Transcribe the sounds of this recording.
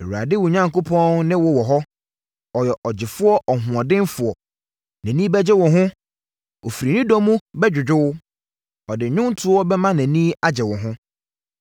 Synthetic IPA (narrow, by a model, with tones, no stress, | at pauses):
e˨wu˨a˨dɪ˦wʊ˨ɲã˨ŋko˦pʰɔ̃˦nnɪ̃˦wɔ˨wɔ˨ɦɔ˦ | ɔ˨jɛ˨ʔɔ˨d͡ʑɪ˨fʊ˦ɔ˦ʔɔ˨ɦʊ̃˨ɔ˨dɪ̃˦nfʊ˨ɔ˨ | næ̃˨nĩ˦bɛ˦d͡ʑɛ˦wɔ̃˨ɦʊ̃˦ | o˨fi˨ɾi˨nĩ˦dɔ̃˦mũ˦bɛ˦d͡ʑᶣʊ˨d͡ʑᶣʊ˦w | ɔ˨dɪ˨ɲʊ̃˦n˦tʰʊ˦ɔ˦bɛ˦mã˦næ̃˨nĩː˦a˦d͡ʑɛ˨wɔ̃˨ɦʊ̃˦